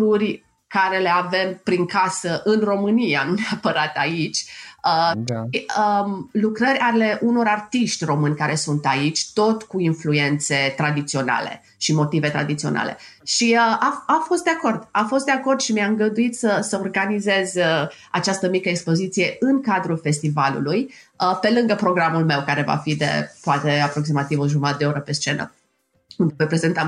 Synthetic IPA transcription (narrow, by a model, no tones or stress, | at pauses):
urʲ | kaɾe̞le̞ave̞mpɾiŋkasəʔɨnro̞mɨnijanuneapəɾat̪ait͡ʃʲə | əlukɾəɾʲale̞ʔuno̞ɾart̪iʃt̪ʲro̞mɨnʲkaɾe̞sunt̪ait͡ʃʲt̪o̞t̪kuinflue̞nt̪se̞t̪ɾad̪it̪sio̞na̰le̞̰ | ʃimo̞t̪ive̞t̪ɾa̰d̪it̪sio̞na̰lʔe̞̰ | ʃiəaafo̞st̪d̪eako̞rd̪afo̞st̪d̪eako̞rd̪ʃimiaɨŋɡəd̪uit̪səsəorɡanize̞zʲə | a̰t͡ʃast̪əmikəekspo̞zit̪sije̞ʔɨŋkad̪ɾulfe̞st̪ivalṵlujəpe̞lɨŋɡəpɾo̞ɡɾamulme̞wkaɾe̞va̰fid̪e̞̰poat̪e̞apɾo̞ksimat̪ivoʒumat̪d̪eoɾəpe̞st͡ʃe̞nə̰ | und̪evojpɾe̞ze̞nt̪am